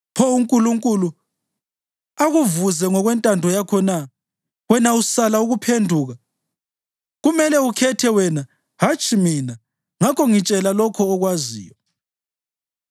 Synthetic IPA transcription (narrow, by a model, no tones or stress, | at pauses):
pʰɔuŋkʼuluŋkʼulu | aɣuvuzɛŋɔɣwɛntʼandʱɔjakʰɔna | ɣwɛnausalauɣupʰendʱuːɣa | ɣumɛlɛukʰɛtʰɛwɛna | hat͡ʃʰʼimina | ŋakʰɔŋit͡ʃʼɛlalɔkʰɔːɣwazḭːjɔ